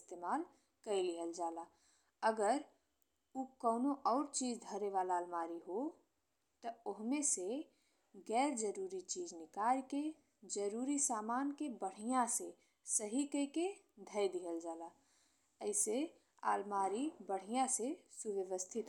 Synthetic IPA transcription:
st̪eːmaːl | kəilɪɦəld͡ʒaːla | əɡəɾ | ukɔʊnoʔɔːɾt͡ʃiːd͡ʒd̪ʱəɾeʋaːlaːlmaːɾiɦo | t̪əʊɦmẽse | ɡɛːɾd͡ʒəɾuːɾit͡ʃiːd͡ʒnɪkaːjke | d͡ʒəɾuːɾisaːmaːnkebəɽ̤ijãse | səɦikəike | d̪ʱəjd̪iɦəld͡ʒaːla | əɪse | a̰ːlmaːɾibəɽ̤ijãsesʊʋəʋəst̪ʰɪt̪

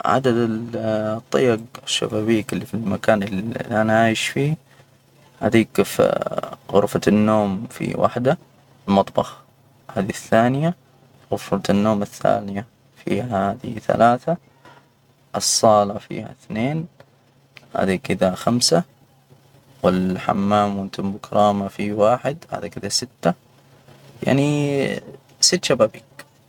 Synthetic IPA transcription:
ʕa̰d̪ad̪ɪlt̪ˤːɑ̰jɑɡɪʃːa̰baːbiːkɪlːifilmakaːnɪlʔanaʔʕaʕiːʃfiː | ha̰d̪iːkf | ɣʊ̰ɾfanːoːmfḭwʔa̰ħd̪a | lmɑt̪ˤbɑx | haːd̪iθːaːnɪja | ɣʊɾfat̪nːoːmɪθːa̰ːnɪja | fḭːhahaːd̪ḭθa̰laːθa | ʔɨsˤːɑːlɑfḭːha̰θneːn | ha̰ːd̪ikɪd̪axamsa | wɪlħa̰mːaːmwɪnt̪ɪmbʊkɾˤʔɑːmafiwaːħɪd̪ha̰ːd̪ikɪd̪asɪt̪ːa | ja̰ʕni | sɪt̪ːʃabaːbiːk

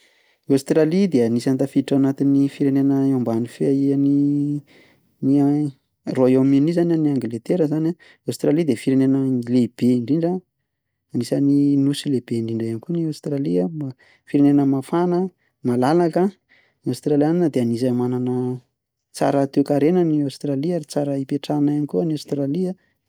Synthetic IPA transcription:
ast̪ɾalid̪eanisant̪afiʈ͡ʂanat̪inifiɾenenəeambanifeaiani | ni | roaewaminizanʲaniaŋɡilet̪eɾəzana | awst̪ɾalid̪efiɾenenəleb̥eiɳɖ͡ʐiɳɖ͡ʐə | anisaninusilebeiɳɖ͡ʐiɳɖ͡ʐajanikuniawst̪ɾaliəm | fiɾenenəmafanə | malalakə | niawst̪ɾalianinəd̪eanis̬amananə | t͡sa̰ɾət̪ukaɾenəniawst̪ɾaliaɾit͡saɾəipeʈ͡ʂanaanikuəniawst̪ɾaliə

